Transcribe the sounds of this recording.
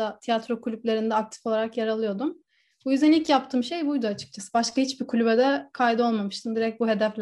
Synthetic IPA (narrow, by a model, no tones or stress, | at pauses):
at̪ʰijat̪ɾo̞kʰulʲyp̚lʲe̞ɾind̪ɛak̚t̪ʰi̥fo̞lˠaɾakjaɾalˠɯjo̞d̪um | bujyzd̪ænilʲcjap̚t̪ʰɯːmʃe̞jbujd̪uat͡ʃʰɯ̥k̚t͡ʃʰasɯ̥baʃkʰahit͡ʃbikʰulʲybɛd̪ɛkʰajd̪o̞lˠmamɯʃt̪ʰɯmd̪iɾɛc̚buɦe̞d̪ɛflʲ